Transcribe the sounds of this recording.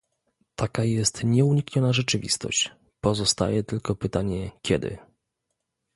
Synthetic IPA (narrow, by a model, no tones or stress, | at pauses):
t̪ʰakajɛst̪ɲɛuɲikɲɔnaʐɛt͡ʂɘvʲḭst̪ɔ̰ɕt͡ɕ | pɔzɔst̪a̰jɛt̪ɘlkɔpɘt̪aɲɛkʲɛd̪ɘ̰